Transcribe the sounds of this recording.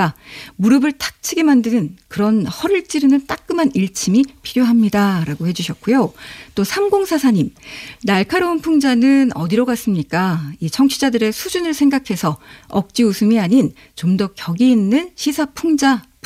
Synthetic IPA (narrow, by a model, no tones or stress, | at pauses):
amuɾɯbɯɭtʰḁk̚t͡ɕʰiɡemandɯnɯnkɯɾʌnhʌɾɯɭt͡ɕ͈iɾɯnɯnt͈ak̚k͈ɯmaniɭt͡ɕʰimipʰiɾjoɦamɲidaɾaɡohe̞d͡ʑuɕʰʌt̚k͈ujot͈osʰamɡoŋsʰasʰaɲimnaɭkʰaɾounpʰuŋd͡ʑanɯnʌdiɾʌɡas͈ɯmɲik͈ait͡ɕʰʌŋt͡ɕʰid͡ʑadɯɾe̞sʰud͡ʑunɯɭsʰe̞ŋɡakʰe̞sʰʌʌk̚t͡ɕ͈iusʰumiaɲin | t͡ɕomdʌkjʌɡiːnːɯnɕʰisʰapʰuŋd͡ʑa